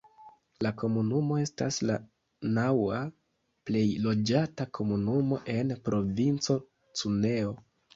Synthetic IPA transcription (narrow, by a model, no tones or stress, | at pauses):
lako̞munumo̞e̞stasla | nawa | ple̞jlo̞d͡ʒatakʰo̞munumo̞ʔe̞npɾo̞vint͡so̞ | t͡sune̞o̞